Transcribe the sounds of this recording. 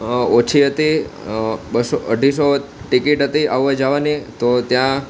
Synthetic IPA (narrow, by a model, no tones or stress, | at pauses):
ot͡ʃʰiɦət̪i | bəsoʔəɖʱis̬oʈikiʈɦət̪iʔaʋʋad͡ʒaʋanit̪ot̪jã